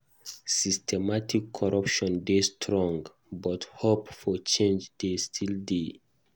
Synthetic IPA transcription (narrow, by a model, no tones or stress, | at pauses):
sistʰɛmatikʰːɔɹʌpʃɔ̃ndestʰɹɔ̃ŋɡ | bɔthopfɔt͡ʃẽnd͡ʒdestʰilde